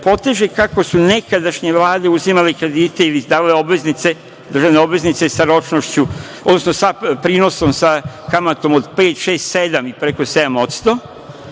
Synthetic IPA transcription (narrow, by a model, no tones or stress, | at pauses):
po̞t̪e̞ʒekako̞sune̞kad̪aʃɲeʋlˠaːd̪euzimalekɾe̞d̪iːt̪e̞ilizd̪aːʋaleo̞bʋeznit̪se | d̪ɾr̩ʒaʋneobʋe̞znit̪sesaɾo̞t͡ʃnoʃt͡ɕu | od̪nosnosapɾiːno̞somsa | kamat̪o̞mod̪peːt̪ʃeːst̪sed̪amipɾeko̞sed̪amo̞t̪st̪o̞